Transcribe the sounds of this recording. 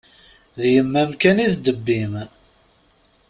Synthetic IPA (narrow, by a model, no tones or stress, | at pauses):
ðjəmːæmkæniðd̪əbːim